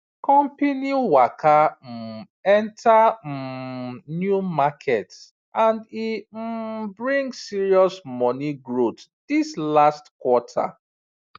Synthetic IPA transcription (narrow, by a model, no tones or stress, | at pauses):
kɔ̃mpiniwakʰam̩ | ɛ̃ntʰa | njumakʰɛt | ʔãndim̩bɹĩŋɡsiɹiɔsmɔniɡɹotd̥islastkwɔtʰa̰